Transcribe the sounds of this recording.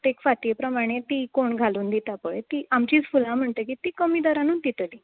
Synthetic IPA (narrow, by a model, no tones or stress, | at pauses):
t̪ekfat̪ijepɾəmaɽ̃et̪iːkoɳɡʱaluːnd̪it̪apəɭet̪iːʔamt͡ɕiːt͡sfulãm̤əɳt̪əkit̪iːkəmiːd̪ɔɾanuːnt̪it̪əɽi